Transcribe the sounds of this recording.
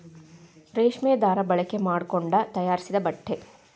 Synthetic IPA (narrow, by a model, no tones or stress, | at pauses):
ɾeːʂmɛjd̪aːɾɐbɐɭɐke̞maːɽkoɳɖɐt̪ɐjaːɾisid̪ɐbɐʈʰːe̞